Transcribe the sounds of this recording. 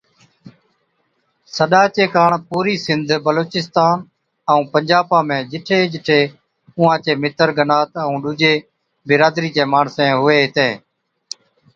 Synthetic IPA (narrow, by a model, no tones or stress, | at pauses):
səɗaːt͡ʃeːkaːɳpuːɾiːsɪnd̪ʱbəloːt͡ʃɪst̪aːn | əũːpəɲd͡ʒaːpãːmẽːd͡ʒɪʈʰeːd͡ʒɪʈʰeː | ʊ̃ãːt͡ʃeːmɪt̪əɾɡənaːt̪əũːɗuːd͡ʒeː | bɪɾaːd̪ɾiːd͡ʒeːmaːɳsẽːɦʊʋeːɦɪt̪ẽː